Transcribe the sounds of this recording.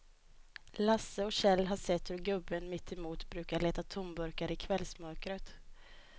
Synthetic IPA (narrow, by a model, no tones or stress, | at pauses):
lasːəɔɕɛlːɦaʂɛt̪ːhɵɾɡɵbːənmɪt̪ːɛmuːt̪bɾʉ̟ːkaɭeːt̪at̪ʰʊmbɵɾkaɾɪkʰvɛlsmœɾkɾət̪